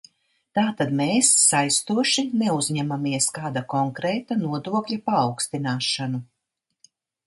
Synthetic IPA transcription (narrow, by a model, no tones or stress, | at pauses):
t̪aːt̪ad̪meːsːajst̪uɔʃinɛuzɲɛmamiɛskaːd̪akɔŋkɾɛːt̪anuɔd̪uɔkʎʲapaːwkst̪inaːʃanu